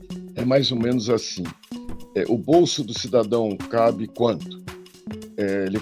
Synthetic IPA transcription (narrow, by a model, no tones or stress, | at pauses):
ɛmajzomẽnʊzasĩɛʔʊbowsʊd̪ʊsid̪ad̪ɐ̃w̃kabɪkwɐ̃nt̪ʊ̥ | ɛelɪ